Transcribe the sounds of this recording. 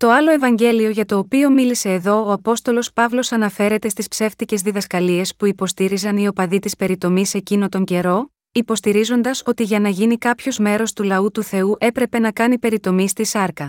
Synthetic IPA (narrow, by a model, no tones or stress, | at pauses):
t̪o̞ɐlo̞e̞vɐɲɟe̞lio̞ʝɐt̪o̞ːpio̞milise̞ːðo̞oɐpo̞st̪o̞lo̞spɐvlo̞sɐnɐfe̞ɾe̞t̪e̞st̪ispse̞ft̪ice̞zðiðɐskɐlie̞spuipo̞st̪iɾizɐnio̞pɐðit̪ispe̞ɾit̪o̞mise̞cino̞t̪o̞ɲɟe̞ɾo̞ | ipo̞st̪iɾizo̞nd̪ɐso̞t̪iʝɐnɐʝinikɐpço̞zme̞ɾo̞st̪ulɐut̪uθe̞uʔe̞pɾe̞pe̞nɐkɐnipe̞ɾit̪o̞mist̪isɐɾkɐ